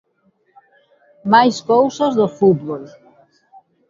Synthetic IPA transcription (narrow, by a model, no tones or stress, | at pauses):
majskowsɐzðofut̪βol